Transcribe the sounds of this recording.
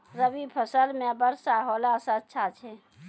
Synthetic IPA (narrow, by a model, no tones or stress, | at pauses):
ɾəbipʰəsəlmẽbəɾsaɦoːlasatːʃʰat͡ʃʰɛ